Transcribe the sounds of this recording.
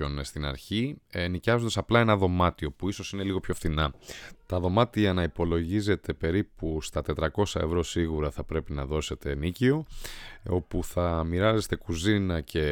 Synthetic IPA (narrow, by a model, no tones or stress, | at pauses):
o̞nst̪inɐ̰ɾçinicɐzod̪ɐsɐplɐe̞nɐðo̞mɐt̪io̞puiso̞sine̞liɣopço̞fθinɐt̪ɐðo̞mɐt̪iɐnɐipo̞lo̞ʝize̞t̪e̞pe̞ɾipust̪ɐt̪e̞t̪ɾɐko̞sɐe̞̰vɾo̞siɣuɾɐθɐpɾe̞pinɐðo̞se̞t̪e̞nicio̞ | o̞puθɐmiɾɐze̞st̪e̞kuzinɐcʰe̞